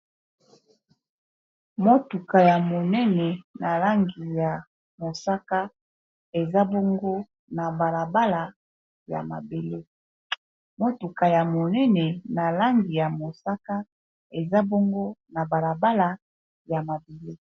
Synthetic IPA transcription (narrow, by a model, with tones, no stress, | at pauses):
mo˦tu˨ka˨ja˨mo˨nɛ˦nɛ˨na˨la˦ŋɡi˨ja˨ | mo˨sa˦ka˦ | e˨za˦bo˦ŋɡo˦ | na˨ba˨la˨ba˦la˨ | ja̰˨ma̰˨be˨le˦ | mo˦tu˨ka˨ja˨mo˨nɛ˦nɛ˨na˨la˦ŋɡi˨ja˨mo˨sa˦ka˦ | e˨za˦bo˦ŋɡo˦na˨ba˨la˨ba˦la˨ | ja˨ma˨be˨le˦